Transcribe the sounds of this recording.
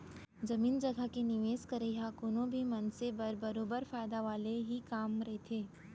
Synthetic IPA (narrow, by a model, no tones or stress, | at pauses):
d͡ʒɐmiːnd͡ʒɐɡʱakenɪʋeːskɐɾeɦakʊnõbʱimɐnsebɐɾbɐɾoːbəɾfaːɪd̪aʋaːleɦikaːmɾɐɦet̪ʰeː